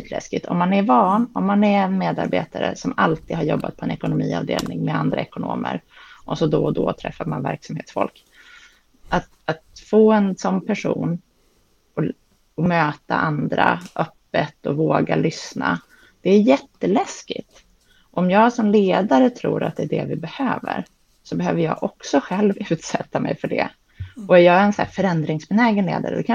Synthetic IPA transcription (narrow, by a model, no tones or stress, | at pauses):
t̪ʰlɛ̰skɪt̪ʰɔ̰mːanæɾvɑːnɔmːanæɾɛnmeːd̪a̰ɾbeːt̪aɾə̰sɔmalt̪iːd̪haɾjɔbːat̪̚pʰɔɛnɛkʊnʊmiːɑ̰ːvd̪eːlnɪŋmɛand̪ɾaɛkʊnoːmə̰ɾʔɔsɔd̪ɔd̪ɔt̪ʰɾɛ̰fːaɾmanvæɾksamhḛːt̪sfɔ̰lk | ʔat̪ | at̪foːɛnsɔnːpʰæʂṵːn | ɔ | ɔmøːt̪a̰ʔand̪ɾa̰ʔœpːət̪ɔvoːɡalʏsna̰ | d̪̥ɛæɾjɛt̪ːəlɛskɪ̰t̪ | ʔɔmjɑːɡsɔmleːd̪aɾət̪ʰɾṵːɾa̰t̪̚d̪ɛːɖɛ̰vɪbɛhøːvə̰ɾ | sɔbɛhøːvəjɑ̰ːɡʔɔksɔɧɛlvʉ̟ːt̪sɛt̪ːamɛjfœɖɛ̰ | ɔjɑːɡɛnsæːfœɾɛnd̪ɾɪŋsbɛnɛːɡənleːd̪aɾə̰d̪ɛkʰa